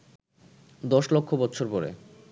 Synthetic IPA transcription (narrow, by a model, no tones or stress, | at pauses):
d̪ɔʃlokʰːobɔtːɕʰoɾpɔɾḛ